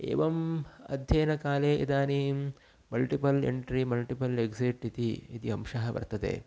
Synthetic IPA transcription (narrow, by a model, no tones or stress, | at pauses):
ḛːʋɐmɐ̰d̪ʱjeːnɐkaːleːʔid̪aːnim | mɐlʈipɐlḛɳʈɾimɐlʈipɐleɡsiːʈit̪iit̪iɐmʂɐɦɐʋɐ̰ɾt̪ɐt̪ḛː